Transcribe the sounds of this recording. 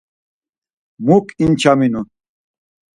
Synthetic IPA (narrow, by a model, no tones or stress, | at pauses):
mukint͡ɕʰaminu